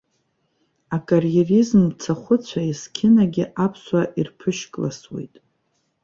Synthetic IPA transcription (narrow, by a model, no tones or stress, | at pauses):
akʼarjerizmt͡sʰaχʷʊt͡sʷʰaiskʲʰɪnaɡʲɪʔapʰswaʔirpʰɨʃkʼla̰swḛjtʼ